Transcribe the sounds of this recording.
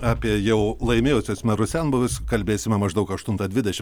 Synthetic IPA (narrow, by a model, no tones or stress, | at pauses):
ɑːpʲiɛjɛʊlˠɐɪmʲeːjʊsʲoːsmʲɛɾʊsʲɛnboʋʲɪskɐlʲbʲeːsʲɪmʲɛmɐʒd̪ɐʊkɐʃt̪ʊnt̪ɐd̪ʲʋʲɪdʲɛʃʲɪm